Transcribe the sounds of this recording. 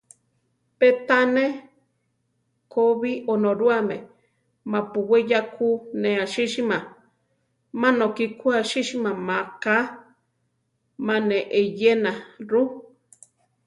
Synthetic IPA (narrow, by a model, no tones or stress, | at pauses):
pet̪ane | koβiʔonoɾuame | mãpuwejakʰunẽaʃiʃimã | mãnokikuaʃiʃimãmaka | mãneʔejenaɾu